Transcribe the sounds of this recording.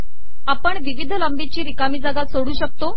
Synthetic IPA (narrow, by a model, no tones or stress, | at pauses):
apəɳʋiʋid̪ʱləmbit͡ɕiːɾikamiːd͡zaɡat̪soɽuːɕək̚t̪o